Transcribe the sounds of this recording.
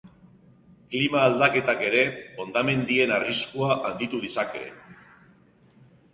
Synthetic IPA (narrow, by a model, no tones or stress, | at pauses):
klimaːld̪ake̞t̪ake̞ɾe̞o̞nd̪ame̞nd̪ie̞nariskuaʔand̪it̪uð̞isake̞̰